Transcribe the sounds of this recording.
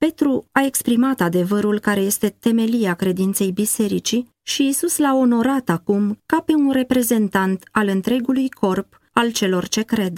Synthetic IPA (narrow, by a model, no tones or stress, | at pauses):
pe̞t̪ɾuae̞kspɾimat̪ad̪e̞vəɾulkaɾe̞je̞st̪e̞t̪e̞me̞lieakɾe̞d̪int̪se̞jbise̞ɾit͡ʃi | ʃiːsuslao̞no̞ɾat̪akumkape̞unre̞pɾe̞ze̞nt̪ant̪alɨnt̪ɾe̞ɡulujkʰo̞rp | alt͡ʃe̞lo̞rt͡ʃe̞kɾe̞d̪